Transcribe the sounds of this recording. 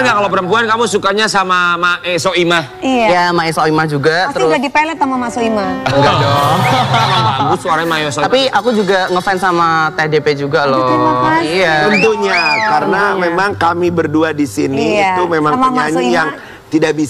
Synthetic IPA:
ɡaʔkalopəɾəmpuankamusukaɲasamamaʔesoimahijamaesoimahd͡ʒuɡatat̪əiɾʊɡadipalɛt̪ːamamasoimahəŋɡadɔ | amusuaɾaɲmaost̪apiakud͡ʒuɡaŋəfɛnsamat̪edeped͡ʒuɡalɔ | aunt̪uɲakaɾənamemaŋkamibərduadisinit̪umemaŋmɲaɲajaŋ | t̪idaʔ̚bis

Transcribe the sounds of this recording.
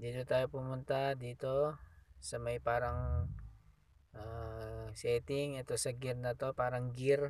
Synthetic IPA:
d̪it̪ut̪ajupumunt̪ad̪it̪osəmajpaɾaŋ | əsɛt̪ɪŋat̪osəɡirnat̪opaɾaŋɡir

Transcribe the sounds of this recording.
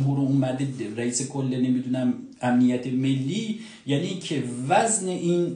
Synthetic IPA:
mɦuɾuːmæd̪ed̪ɾæiːsekʰolːenemid̪unæm | æmnijæt̪ʰemelːi | jænikʰevæzne̞ʔiːn

